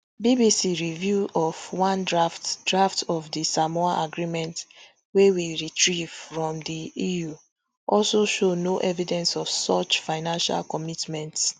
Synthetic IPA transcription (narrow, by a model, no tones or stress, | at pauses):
bibisiɹivjuʔɔvwãndɹaftdɹaftʰɔvdisamɔaʔaɡɹimɛ̃nt | wewiɹitʰɹiv̥fɹɔ̃mdiiju | ʔɔlsoʃonoʔɛvidɛ̃nsɔv̥sɔt͡ʃfaɪnãnʃa̰lkɔmitmɛ̃nts